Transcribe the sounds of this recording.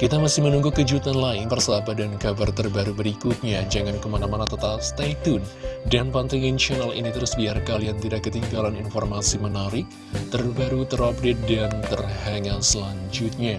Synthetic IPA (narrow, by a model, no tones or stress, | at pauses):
kit̪amasɪhmənuŋɡukəd͡ʒut̪anlaɪnpərsəabadankabart̪ərbaɾubəɾikut̪̚ɲad͡ʒaŋankəmanamanat̪ət̪apst̪at̪ʊndanpant̪aŋint͡ʃənalḭnit̪əɾusbiarkaljaŋt̪idakːət̪iŋɡalaninfɔrmasimənaɾɪk̚ | t̪ərbaɾut̪əɾɔp̚det̪̚dant̪ərhaŋasəlaɲd͡ʒut̪̚ɲa